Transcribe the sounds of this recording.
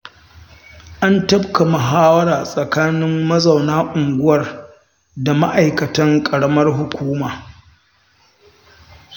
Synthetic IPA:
ʔa˦ntɐ˦bka˨mʊ˨ɦaː˦wɐ˦ɾaː˨sʼɐ˨kaː˦nɪ˦mːɐ˦za˨wnaː˦ʔʊ˨ŋɡʷʊ˦wɐ˨r | da˨ma̰˦ʔa˨jkɐ˨tɐ˦ŋkʼɐ˨ɽɐ˦mɐ˦rɦʊ˨kʷuː˦maː˨

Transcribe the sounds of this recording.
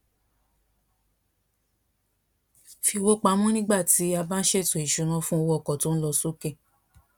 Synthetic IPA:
fi˧wo˦k͡pa˨˦mũ˦nĩ˦ɡ͡ba˦˨ti˨˦a˧bã˦n̩˦ʃe˦˨tõ˨i˨ʃu˧˦ɾ̃ã˧˦fũ˦o˧wɔ˦˨kɔ˨to˨˦n̩˦lɔ˧so˦ke˦˨

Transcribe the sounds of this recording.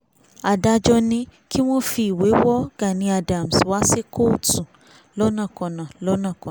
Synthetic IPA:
a˨da˧d͡ʒɔ˧nĩ˧kʰi˦w̃ɔ̃˦fi˧i˨we˨˦wɔ˦ɡ̥a˨nĩ˧a˧da˨m̩˨swa˦se˦kʰo˦˨tu˨ | lɔ˨˦nã˦˨kɔ̃˨nã˨lɔ˦nã˦˨kɔ̃˨

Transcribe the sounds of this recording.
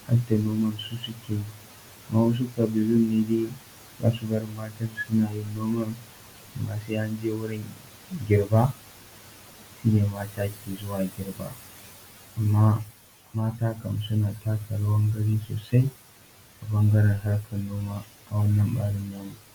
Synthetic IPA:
ha̰˦ta˨noː˦mɐ˦nsu˦sʊ˦kʲʰeː˨˦ | ʔa˨mːa˦wɐ˦s̬u˦kɐ˨bɪ˨lʊ˦nːe˨deː˦ | za̰ː˦su˨bɐ˦ɾɪ˦mːaː˦tɐ˦rsʊ˦naː˨jɪ˦nːoː˦mɐ˦n | ʔa˨mːaː˦seː˦ʔa˦nd͡ʒeː˦wʊ˦ɽɪ˦ŋ | ɡʲɪ˨rbaː˦ | ʃiː˦neː˨maː˦taː˦kʲʰeː˨zʊ˦waː˨ɡʲɪ˨˦ɾba̰ː˦ | ʔa˨mːaː˦ | maː˦taː˦kɐ˨msʊ˦naː˨taː˦kɐ˨ɽa˦wɐ˦ŋɡɐ˦ɽiː˦so̰ː˨sa˦j | ʔa˨bɐ˦ŋɡɐ˦ɾɐ˨rɦa˦ɽkʰɐ˨nːoː˦maː˦ | ʔa˨wɐ˦nːɐ˨mɓa̰ː˦ɽɪ˦nːaː˦nu˨

